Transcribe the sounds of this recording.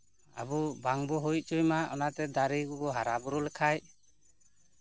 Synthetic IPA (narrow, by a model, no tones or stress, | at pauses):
a̰bubaŋbɔɦuj̚t͡ʃujmaʔɔnat̪ɛd̪aɾiɡɔbɔɦaɾabuɾulɛkʰaj